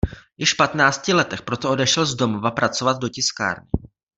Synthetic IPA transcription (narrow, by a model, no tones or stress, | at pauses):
jɪʃfpat̪naːt͡scɪlɛt̪ɛxpɾo̞t̪oʔo̞dɛʃɛlzdo̞movapɾat͡so̞vad̪̚docɪska̰ːɾnɪ̰